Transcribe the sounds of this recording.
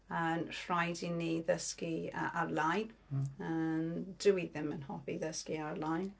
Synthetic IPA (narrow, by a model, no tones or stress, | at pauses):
ənfrajdiniːðəskiə̰ʔaɾlajnənd̥əwiðɪmənhɔbiðəskiaɾlajn